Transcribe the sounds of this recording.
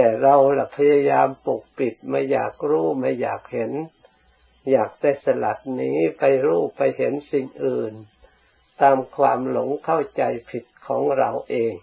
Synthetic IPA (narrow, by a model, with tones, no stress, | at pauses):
t̪ɛː˨˩ɾa˧wla˨˩pʰa˧ja˧jaː˧mpu˨˩k̚pi˨˩t̪̚ma˧˩jːa̰ː˨˩k̚ɾuː˦˥˩ma˧˩ja̰ː˨˩k̚he˩˦n | jaː˨˩k̚t̪eː˧˥˩sa˧la˨˩t̪̚niː˦˥pa˧jɾuː˥˩pa˧jɦe˨˩˦nsi˨˩ŋʔɯː˨˩n | t̪aː˧mkʰwaː˧mlo˨˩˦ŋkʰa˥˩wt͡ɕa˧jpʰi˨˩t̪̚kʰɔː˩˦ŋɾa˧wʔeː˧ŋ